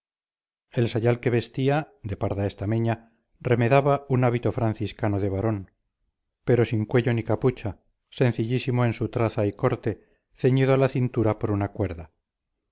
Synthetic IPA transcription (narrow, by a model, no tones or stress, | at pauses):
e̞lsaʎalke̞βe̞st̪ia | d̪e̞paɾðaest̪ameɲa | re̞meðaβaunaβit̪ofɾan̟θiskano̞ðe̞β̞aɾo̞n | pe̞ɾo̞siŋkwe̞ʎo̞nikaput͡ʃa | sẽ̞n̟θiʎisimo̞ensut̪ɾaθaiko̞ɾt̪e̞ | θe̞ɲiðoalaθint̪uɾapo̞ɾunakwe̞ɾða